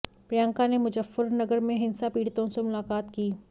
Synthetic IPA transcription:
pɾijãːŋkanemʊd͡ʒəfːəɾnɐɡəɾmẽɦɪnsapiːɽt̪õsemʊlaːkaːt̪kiː

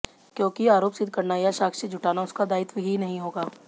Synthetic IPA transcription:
kjõːkiaːɾoːpsɪd̪ʱkɐɾnajaʃaːkʰsed͡ʒʱʊʈaːnaʊskad̪aːɪt̪ʋəɦinɐɦĩɦoːɡaː

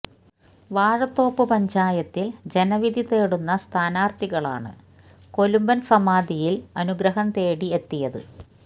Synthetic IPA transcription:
ʋaːɻɐt̪ːo̞ːpːɨpɐɲd͡ʑaːjɐt̪ːild͡ʑe̞nɐʋid̪ʱit̪e̞ːɽunːɐst̪ʰaːnaːrt̪iɣɐɭa̰ːɳɨ̰ | ko̞lumbɐnsɐmaːd̪ijilɐnuɡɾɐɦɐnt̪e̞ːɽie̞t̪ːijɐðɨ

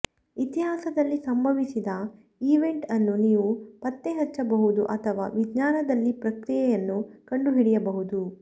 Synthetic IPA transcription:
it̪iɦaːsɐd̪ɐlːisɐmbʱɐʋisid̪ɐ | iːʋe̞ɳʈɐnːuniːʋupɐt̪ːeɦɐt͡ʃːɐbɐɦud̪uʔɐt̪ʰɐʋa̰ːʋiɡɲaːnɐd̪ɐlːipɾɐkɾijɛjɐnːukɐɳɖuɦiɽijɐbɐɦud̪u

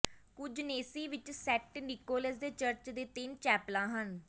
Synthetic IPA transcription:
kʊd͡ʒneːsiːʋɪt͡ʃsɛʈnɪkoːləsd̪eːt͡ʃəɾt͡ʃd̪eːt̪ɪnt͡ʃɛːplãːɦən

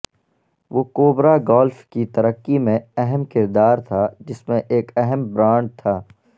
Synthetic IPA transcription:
ʋoːkoːbɾaɡɔːlfkit̪ɐɾəkːimẽɛɦɛmkɪɾd̪aːɾt̪ʰad͡ʒɪsmẽʔeːkɛɦɛmbɾãːɳɖ̚t̪ʰaː

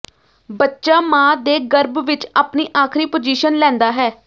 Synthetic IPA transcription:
bətːʃaːmãːd̪eːɡəɾbʋɪt͡ʃaːpniːʔaːkʰɾiːpod͡ʒiːʃənlɛ̃ːnd̪aːɦɛː

